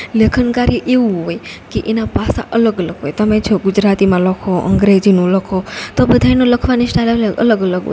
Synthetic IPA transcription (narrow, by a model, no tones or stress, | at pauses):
lekʰənkaɾiʔeʋuɦojkeʔenapasa̰ʔələɡələɡɦojt̪əmet͡ʃʰoɡud͡ʒɾat̪imãləkʰoʔə̰ŋɡɾed͡ʒinũləkʰot̪obəd̪ʱajnũləkʰʋanisʈalləɡə̰ləɡələɡo̰